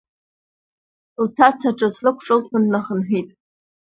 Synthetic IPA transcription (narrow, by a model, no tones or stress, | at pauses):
ltʰat͡sʰaʈ͡ʂʼɨt͡sʰlɨkʷʰʈ͡ʂʼɨlkʷʰʊnːaχənħʷᶣitʼ